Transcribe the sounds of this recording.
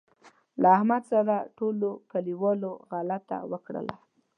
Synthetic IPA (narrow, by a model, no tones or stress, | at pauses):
laahmad̪saɾaʈolokaliwɑloɣalat̪ːa̰wəkɽə̰la̰